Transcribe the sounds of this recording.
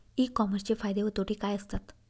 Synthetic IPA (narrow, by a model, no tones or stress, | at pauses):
ikːɔməɾst͡ɕefajd̪eʋət̪oʈikajəst̪at̪